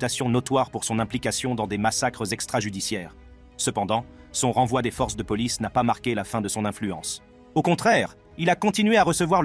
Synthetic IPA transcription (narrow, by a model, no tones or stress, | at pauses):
t̪asjɔ̃nɔt̪waʁpuʁsɔ̃nɛ̃plikasjɔ̃d̪ɑ̃d̪emasakχəzɛkst̪χaʒyd̪isjɛːʁ | səpɑ̃d̪ɑ̃sɔ̃ʁɑ̃vwad̪efɔʁs̬d̪əpɔlisnapamaʁkʲelafɛ̃d̪əsɔ̃nɛ̃flyɑ̃s | okɔ̃t̪χɛːʁ | ilakɔ̃t̪inɥeaʁəsəvwaʁ